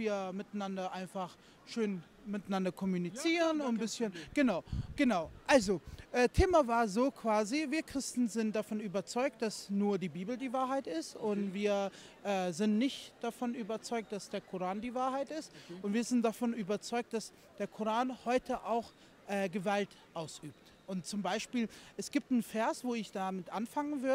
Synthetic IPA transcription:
sviːɐmɪtanandɐʔaɪnfaχ | ʃøːn | mɪtanandɐkʰɔmunit͡siːʁənʊnbɪsçənɡ̥ənaʊɡ̥ənaʊʔalzoʔɛːtʰeːmavaːɐzoːkʰv̥aːziviːɐkʁ̥ɪstn̩zɪntd̥afɔnyːbɐt͡sɔʏk̚t̚d̥asnuːɐdiːbiːbl̩diːvaːɐɦaɪtɪstʊntv̥iːɐ | ʔɛːzɪntnɪçtd̥afɔnʔyːbɐt͡sɔʏk̚td̥asd̥eːɐkʰʊʁaːndiːvaːɐɦaɪtɪstʔʊntv̥iːɐzɪnt̚d̥afɔnʔyːbɐt͡sɔʏk̚t̚d̥as | d̥eːɐkʰʊʁaːnhɔʏtʰəʔaʊx | ʔɛːɡəvaltʔaʊsʔyːpt | ʔʊntt͡sʊmbaɪʃpiːlʔɛsɡ̥iːp̚tn̩fɛːɐsv̥oːɪçd̥amɪtʔanfaŋənvʏɐə

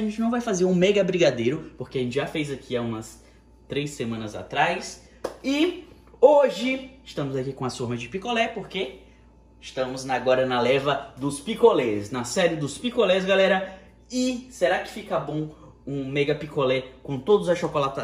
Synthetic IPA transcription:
ʒẽt͡ʃɪnɐ̃w̃vajfazeɾũmɛɡɐbɾiɡad̪ejɾʊpoɾkeɐʒẽnt͡ʃɪʒafejzakʰiaũmɐs | t̪ɾejsemɐ̃nɐza̰t̪ɾajs | ɪ | oʒɪɪʃt̪ɐ̃mʊzakikõɐsuɾmɐd͡ʒɪpikolɛpoɾke | ɪʃt̪ɐ̃mʊznaɡɔɾɐnɐlɛvɐd̪ʊspikolɛsnɐsɛɾɪd̪ʊspikolɛsɡalɛɾɐ | ɪseɾakɪ̥fikɐbõw̃ | ũmɛɡɐpikolɛkõt̪od̪ʊzɐʃokolat̪ɐ

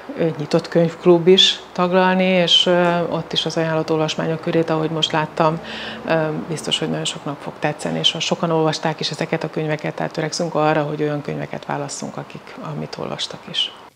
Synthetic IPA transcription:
ɲit̪o̞t̪køɲfklubːiʃt̪ɒɡlɒlnieːʃo̞t̪ːiʃɒzɒjaːlɒt̪o̞lvɒʃma̰ːɲo̞kːøɾeːt̪ɒɦo̞ɟmo̞ʃt̪laːt̪ːɒm | bist̪o̞ʃho̞ɟnɒɟo̞nʃo̞knɒpfo̞kt̪ɛt̪sːɛ̰nieʃhɒʃo̞kɒno̞lvɒʃt̪aːkiʃɛzɛkɛt̪ɒkøɲvɛkɛt̪ːɛ̰ːt̪øɾɛksyŋkɒrːɒɦo̞ɟo̞jɒŋkø̰ɲvɛkɛ̰t̪ʋa̰ːlɒsːṵŋkɒkikɒmḭt̪ʰo̰lvɒ̰ʃt̪ɒkiʃ

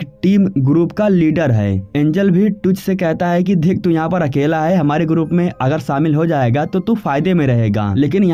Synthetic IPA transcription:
ʈiːmɡɾuːpkaliːɖəɾɦɛ̰ːẽːɲd͡ʒəlbʱiʈʊt͡ʃsekɛɦt̪aɦɛk̬id̪ʱɪk̚t̪ũjɐɦãpɐɾɐkeːlaɦɛɦɐmaːɾeɡɾuːpmẽʔɐɡəɾʃaːmɪlɦod͡ʒaːeːɡat̪ot̪ufaːɪd̪emẽɾɐɦeːɡa̰ːleːk̬ɪnjɐ

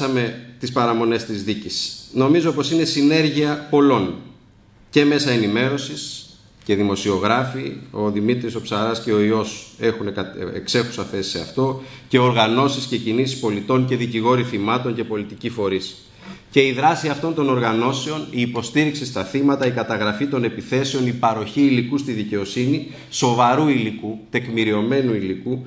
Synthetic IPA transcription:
ɐme̞t̪ispɐɾɐmo̞ne̞st̪izðicisno̞mizo̞po̞sine̞sine̞ɾʝiɐpo̞lo̞n | ce̞me̞sɐenime̞ɾo̞sis | ce̞ðimo̞sio̞ɣɾɐfio̞ðimit̪ɾiso̞psɐɾɐsce̞o̞io̞se̞xunekḛkse̞xusɐθe̞si̥se̞ɐft̪o̞ce̞o̞ɾɣɐno̞sisce̞cinisispo̞lit̪o̞ɲce̞ðiciɣo̞ɾiθimɐt̪o̞ɲce̞po̞lit̪icifo̞ɾis | ce̞iðɾɐsiɐft̪o̞nt̪o̞no̞ɾɣɐno̞se̞o̞niːpo̞st̪iɾiksist̪ɐθimɐt̪ɐikɐt̪ɐɣɾɐfit̪o̞ne̞piθe̞se̞o̞nipɐɾo̞çiːlikust̪iðice̞o̞sini | so̞vɐɾuilikut̪e̞kmiɾio̞me̞nuiliku

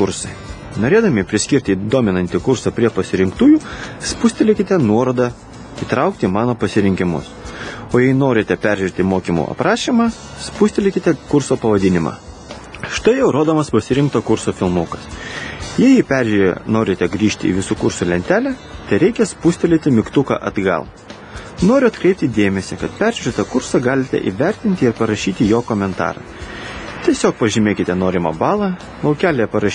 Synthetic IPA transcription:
kʊɾsɐɪ | noːɾʲeːd̪ɐmʲɪpʲɾʲɪsʲkʲɪɾʲt̪ʲɪd̪oːmʲɪnɐnʲt̪ʲɪkʊɾsɐpʲɾʲiɛpɐsʲɪɾʲɪŋkt̪uːjuːspʊsʲt̪ʲɛlʲɪkʲɪt̪ʲɛnuɔɾoːd̪ɑ | iːt̪ɾɑˑʊk̚t̪ʲɪmɑːnoːpɐsʲɪɾʲɪŋʲkʲɪmʊ̰soːjɛɪnoːɾʲɪt̪ʲɛpʲæɾʲʒʲɪɾʲt̪ʲɪmoːkʲimṵɐ̰pɾɑːʃʲimɑ | spusʲt̪ʲɛlʲɪkʲɪt̪ʲɛkʊɾsoːpɐʋɐd̪ʲɪnʲɪmɑ̰ː | ʃt̪ɐɪjɛʊɾoːd̪oːmɐspɐsʲɪɾʲɪŋkt̪oːkʊɾsoːfʲɪlˠmuːkɐsjɛjipʲæɾʲʒʲɾʲḛnoːɾʲɪt̪ʲɛɡɾʲiːʃʲt̪ʲɪḭːʋʲɪsuːkʊɾsuːlʲɛnʲt̪ʲæːlʲæt̪ɐɪɾʲɛɪkʲɛspʊsʲt̪ʲɛlʲet̪ʲɪmʲɪkt̪ʊkɑ̰ʔɐd̪ɡɐ̰lˠ | noːɾʲʊɐt̪kɾʲɛɪp̚ʲt̪ʲɪiːd̪ʲeːmʲɛsʲekɐt̪pʲæɾʲʒʲʊɾʲɛt̪ɐkʊɾsɑɡɑːlʲɪt̪ʲɛ̰ʔḭʋʲæɾʲt̪ʲɪnʲt̪ʲɪɪɾpɐɾɐʃʲiːt̪ʲɪjoːkoːmʲɛnt̪ɑ̰ːɾɐ̰ | t̪ʲiɛsʲoːk̚pɐʒʲɪmʲeːkʲɪt̪ʲɛnoːɾʲɪmɑ̰bɑːlˠɑ | lˠɐʊkʲæːlʲejɛpɐɾɐʃ

